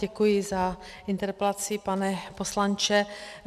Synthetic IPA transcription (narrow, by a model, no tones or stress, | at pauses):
ɛkujɪza | ʔɪnt̪ɛɾpɛlat͡sɪpanɛposlant͡ʃɛ